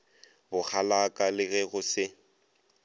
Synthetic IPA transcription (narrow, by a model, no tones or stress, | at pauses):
bʊk͡xʰalakʼalɪɣɛɣʊsɪ